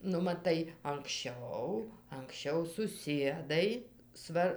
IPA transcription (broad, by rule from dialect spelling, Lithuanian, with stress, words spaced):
nʊ mɐˈtɐɪ ɐŋksʲˈt͡ʃʲɛʊ ɐŋksʲˈt͡ʃʲɛʊ sʊˈsʲiɛdɐɪ ˈsʋɐr